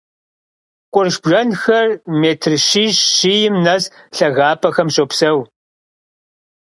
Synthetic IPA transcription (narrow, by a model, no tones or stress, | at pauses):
qʷʼʊrʃbʒɐnxɐrmeːtʰrʃiːʃːijɪmnɐz | ɬɐɣaːpʰɐxɐmɕʼopsɐw